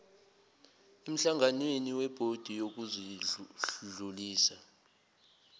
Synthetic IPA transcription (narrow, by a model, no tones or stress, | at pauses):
em̩ɬaŋanweniwɛb̥ʱod̥ʱijok̬uziɬuɮuliːsa